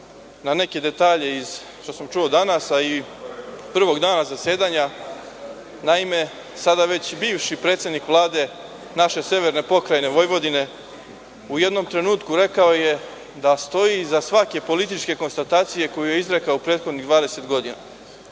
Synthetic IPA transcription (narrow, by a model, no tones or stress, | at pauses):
nane̞ke̞d̪e̞t̪aːʎe̞iz | ʃt̪o̞samt͡ʃuod̪anasai | pr̩ʋo̞ɡd̪aːnazase̞ːd̪aːɲa | naime̞ | sad̪aʋe̞t͡ɕbiːʋʃipɾet̪sʲed̪nikʋlˠaːd̪e̞ | naʃe̞se̞ʋe̞ɾne̞po̞kɾajne̞ʋo̞jʋo̞d̪ine̞ | uje̞d̪no̞mt̪ɾe̞nuːt̪kuɾe̞kao̞je̞ | d̪ast̪o̞jizasʋake̞po̞lit̪̬it͡ʃke̞ko̞nst̪at̪aːt̪sije̞ko̞juje̞izɾe̞kaoupɾe̞ːd̪xo̞d̪niɣd̪ʋaːd̪ese̞t̪ɡo̞d̪ina̰